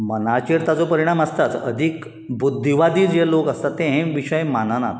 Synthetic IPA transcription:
mənat͡ɕiɾt̪at͡sopəɾiɽ̃aməst̪at̪ə̰d̪ʱik | bud̪ʱːiʋad̪iːd͡zelokəst̪at̪ːẽɦẽʋiɕəjmanəna̰t̪

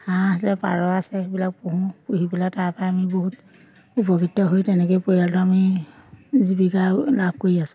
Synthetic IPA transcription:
hãasɛpa̰ɹɔasɛbilak̚poɦũpuɦibilatapajamiboɦut | upɔkitːɔɦojtɛnɛkojpojaltʊami | zibikalab̚ʱkoɹiasʊ̥̃

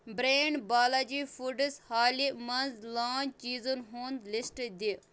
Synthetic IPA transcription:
bɾeːɳɖbaːlad͡ʒifuɖəshaːlimɐnzlaːnt͡ʃiːzunɦuːnd̪lɪsʈd̪i

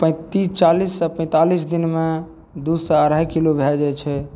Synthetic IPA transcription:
pə̃t̪ist͡ʃalisːəpə̃ɪ̃t̪alisd̪inme | d̪usɔəɾəkilobʱɛld͡ʒɛt͡ʃʰɛ

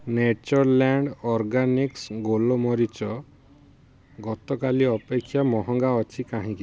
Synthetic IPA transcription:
net͡ʃɔɾlaɳɖɔɾɡaniksɡolɔmɔɾit͡ʃɔ | ɡɔt̪ɔkaliɔpekʰːjamɔɦɔŋɡaɔt͡ʃʰikãɦĩki

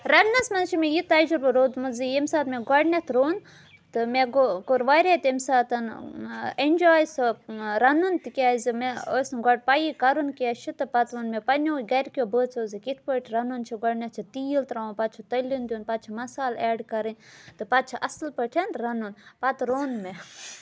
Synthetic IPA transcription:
ɾɐnnɐsmɐnt͡ʃʰimʲejit̪ɐd͡ʒuɾbɨɾoːd̪muzijemsaːt̪mʲeɡɔɖnʲɐt̪ʰɾoːn | t̪ɨmeɡokoɾʋaɾʲet̪emsaːt̪ɐn | enʲd͡ʒaːjsɐɾɐnunt̪ikʲaːzimeosnɡɔɖ̚pajikɐɾunkat͡ʃʰit̪ɨpɐt̪ʋɐnmepɐnʲoːɡɐɾʲkʲjobəːt͡soːzikit̪ʰpəʈʰɾɐnunt͡ʃʰiɡɐɖnɐt̪̚t͡ʃʰit̪iːjilt̪ɾaːũnpɐt̪̚t͡ʃʰɐt̪ɐlʲind̪ʲuːnpɐt̪̚t͡ʃʰimɐsaːleːɖkɐɾɨnʲt̪ɨpɐt̪̚t͡ʃʰiʔɐslpəʈʰent̪ɾɐnunpɐt̪ɾoːnme

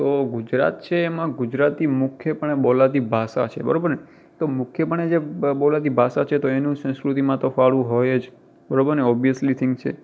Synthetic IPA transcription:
t̪oɡud͡ʒɾa̰t̪̚t͡ʃʰeːmãɡʊd͡ʒɾat̪imʊkʰjəpəɳeɓolat̪ibʱasa̰t͡ʃʰḛbə̰ɾobəɾne | t̪omʊkʰjəpəɳed͡ʒeɓolat̪ibʱasat͡ʃʰet̪oenũsə̃skɾut̪imãt̪ofaɭũɦojed͡ʒ | bəɾobəɾneɔbijəslit̪ʰɪ̃ŋkt͡ʃʰḛ

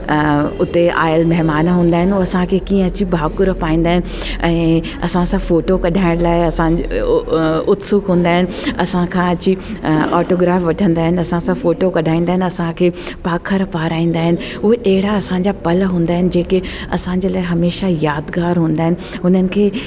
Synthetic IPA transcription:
ʊt̪ea̰ːɪəlmɐɦɪmaːnaɦũːnd̪aːɦɪnɪuɐsãkʰekiːə̃ɐt͡ɕibʱaːkʊɾpaːĩːn̆d̪aːɦɪnɪ | ɛ̃ː | ɐ̰sãsãfoːʈokɐɖʱaːɪ̃ɽ̃laːɪɐsã | ʊt̪sʊkɦũːn̆d̪aːɦɪnɪ̆ɐsãkʰãɐt͡ɕiɔːʈoːɡɾaːfʋɐʈʰə̃nd̪aːɦɪnɪɐsãsãfoːʈokɐɗʱaːĩːnd̪aːɦɪ̃nɪɐsãkʰeː | paːkʰəɾpaːɾaːĩːn̆d̪aːɦɪnɪ̆ | ʊɦeʔɐɦɪɽaɐsãɲd͡ʑapɐlɦũːnd̪aːɦɪnɪ̆d͡ʑeːke | ɐsãɲd͡ʑeːlaːɪɦɐmeːʃajaːd̪ɡaːɾɦũːnd̪aːɦɪnɪɦʊnənɪ̆kʰeː

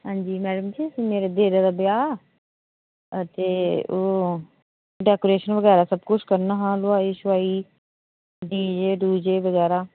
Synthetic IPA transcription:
ɦãːɲd͡ʒiːmɛːɖəmd͡ʒiːəsĩːmeːɾeːd̪eːɾeːd̪aːbɪjaː | ət̪eːoː | ɖɛːkoːɾeːʃənʋəɡɛːɾaːsəbkʊt͡ʃʰkəɾnaːɦãːlʊaːiːʃʊaːiː | ɖiːd͡ʒeːɖuːd͡ʒeːʋəɡɛːɾaː

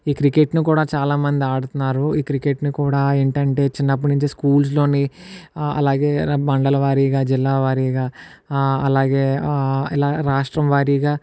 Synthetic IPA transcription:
iːkɾikeʈnikuːɽaːt͡ʃaːlaːmɐnd̪iaːɽut̪unːaːɾuiːkɾikeʈnikuːɽaːeɳʈɐɳʈe̞ːt͡ʃinːɐp̬ːɐniɲt͡ʃiskuːls̬lo̞ːni | ɐ̰laːɡe̞ːbɐɳɖɐlɐʋaːɾiːɡaːd͡ʒilːaːʋaːɾiːɡaː | ɐlaːɡe̞ːilaːɾaːʂʈɾɐmʋaːɾiːɡaː

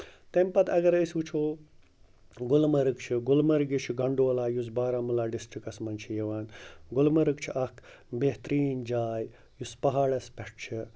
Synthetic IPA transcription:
t̪empɐt̪ʰɐɡɐɾəsʲut͡ʃʰoː | ɡʊlmɐɾɨkt͡ʃʰiɡʊlmɐɾɡit͡ʃʰiɡɐɳɖoːlaːjusbaːɾaːmulaːɖisʈɾikɐsmɐnt͡ʃʰijɐʋaːnɡʊlmɐɾɨkt͡ʃʰiʔɐkʰ | beɦt̪ɾiːnd͡ʒaːj | juspɐɦaːɭɐspʲeʈ̚ʰt͡ʃʰi

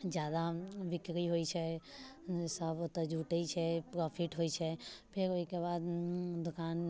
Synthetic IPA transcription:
d͡ʒjaːd̪aʋɪkɾiɦoit͡ʃʰɛ | səbt̪ɔd͡ʒʱuːʈəit͡ʃʰɛpɾɔːpʰiʈɦoit͡ʃʰɛpʰeɾoɦikebaːd̪d̪ʊkaːn

